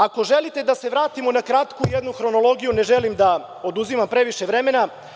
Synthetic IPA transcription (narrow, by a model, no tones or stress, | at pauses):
ako̞ʒe̞lit̪e̞d̪ase̞ʋɾaːt̪imonakɾat̪kujed̪nuxɾo̞no̞lˠo̞ɡijune̞ʒelimd̪a | o̞d̪uzimampɾe̞ʋiʃe̞ʋɾe̞me̞na